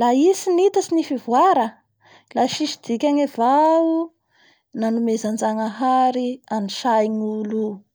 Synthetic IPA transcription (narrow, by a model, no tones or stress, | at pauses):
laisinit̪asinifivwaɾə | laʃiʃid̪̥ikʲaŋavau | nanumezand͡zaŋaɦaɾianiʃajnulu